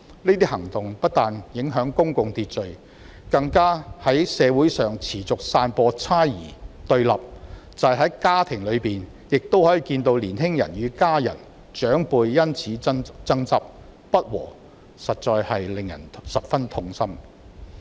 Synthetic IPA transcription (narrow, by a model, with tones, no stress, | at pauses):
neː˥t̪iː˥hɐ˨˩ŋt̪ʊ˨ŋpɐ˥t̚t̪aː˨njɪ˨˥ŋɦœː˨˥ŋkʊ˥ŋkʊ˨˧ŋt̪iː˧t̚t͡ʃɵ˨ɥ | kɐ˧ŋkaː˥hɐ˨˥jsɛː˨˧wu˨˥jsœː˨ŋt͡sʰiː˨˩t͡sʊ˨k̚saː˧npɔː˧t͡sʰaː˥jḭː˨˩t̪ɵ˧ɥlɐ˨p̚t͡sɐ˨jɦɐ˨˥jkaː˥t̪ʰɪ˨˩ŋlɵ˨˧ɥpiː˨n | jɪ˨k̚t̪o˥whɔː˨˥ji˨kiː˧nt̪o˧wliː˨˩nɦɪ˥ŋjɐ̰˨˩njyː˨˧kaː˥jɐ̰˨˩n | t͡ʃœː˨˥ŋpuː˧jjɐ˥nt͡sʰiː˨˥t͡sɐ˥ŋt͡sɐ˥p̚ | pɐ˥t̚wɔ̰ː˨˩ | sɐ˨t̚t͡ʃɔː˧jhɐ˨jlɪ˨ŋjɐ̰˨˩nsɐ˨p̚fɐ˥nt̪ʰʊ˧ŋsɐ˥m